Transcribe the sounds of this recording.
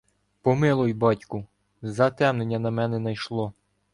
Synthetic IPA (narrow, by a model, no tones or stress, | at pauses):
pɔmɪlˠɔjbɑtʲkʊ | zɐt̪ɛmnenʲːɐnɐmɛnɛnɐjʃlˠɔ